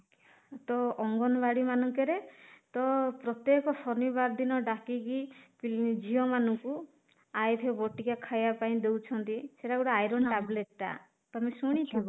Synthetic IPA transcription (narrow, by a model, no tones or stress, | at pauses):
t̪ɔːŋɡɔnbaɽimanɔŋkeɾet̪ɔpɾɔt̪jekɔsɔnibaɾd̪inɔɖakiɡipid͡ʒʱiɔmanɔŋku | ajt̪ʰebɔʈikakʰajbapaĩd̪ewt͡ʃʰɔnt̪iseʈauɽaajɾɔnʈableʈʈa̰ | t̪amisuɽ̃it̪ʰibɔ